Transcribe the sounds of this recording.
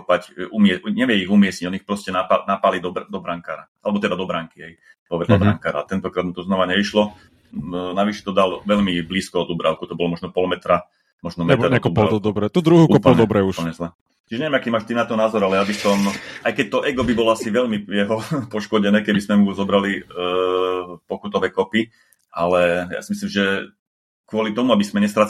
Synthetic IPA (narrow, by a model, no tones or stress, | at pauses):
pacumɪɛɲɛʋjɛiɣumɪɛsɲiɟɔnixpɾɔscɛnapanapalid̪ɔbd̪ɔbɾaŋkaːɾaʔalɛbɔt̪ɛd̪ad̪ɔbɾaŋkiɦɛj | pɔʋɛd̪labɾa̰ŋkaːɾa̰ːt̪ɛnt̪ɔkɾaːd̪̚mut̪ɔznɔʋaɲɛʋiʃlɔ | naʋiʃɛ̥t̪ɔd̪alʋɛʎmibliːskɔɔd̪ubɾa̰ʊkut̪ɔbɔlɔmɔʒnɔpɔlmɛt̪ɾa | mɔʒnɔmɛt̪ɾɛkɔp̪ɔd̪ɔbɾɛt̪ud̪ɾuɦuːuɔpɔd̪ɔbɾɛuʃɔɲɛzlɛ | t͡ʃiʒɛɲɛʋɛmakiːmaːʃt̪inat̪ɔnaːzɔɾalɛjabisɔmʔajkɛc̚t̪ɔʔɛɡɔbibɔlɔasiʋɛʎmijɛɦɔpɔʃkɔɟɛnɛːkɛbismɛmuzɔbɾali | pɔkut̪ɔʋɛːkɔpi | ʔalɛja̰ːsimislimʒɛ | kʋʊɔlit̪ɔmuabismɛɲɛst̪ɾa